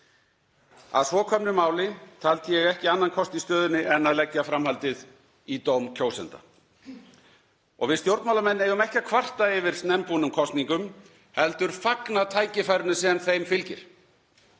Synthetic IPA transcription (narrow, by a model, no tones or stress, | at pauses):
a̰ðsvɔkʰœmnɪmaːwlɪt̪ʰalt̪jɛɣɛhcɪanːankʰɔst̪ist̪œːðʏnɪʔɛnaðlɛcjafɾamhalt̪ɪð | it̪owmcʰoːwsɛ̰nt̪a̰ | ɔɣvɪðst̪jowɾt̪mawlamɛnːejʏmɛhcakʰvar̥t̪aɪvɪɾ̥snɛmpunʏmkʰɔst̪niŋkʏm | hɛlt̪ʏɾ̥faknat̪ʰaːjcɪfajɾʏnʏsɛːðanθejmfɪlcɪ̰ɾ̥